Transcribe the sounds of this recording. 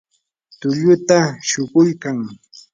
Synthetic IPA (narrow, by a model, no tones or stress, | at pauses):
t̪ʊʎʊt̪aʃʊɢʊjkaŋ